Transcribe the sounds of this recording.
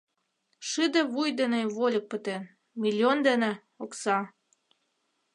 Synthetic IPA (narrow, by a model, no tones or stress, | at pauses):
ʃɨd̪ə̆βujd̪eneβolʲə̆k̚pə̆t̪en | mʲilʲiond̪enĕ | oksɑ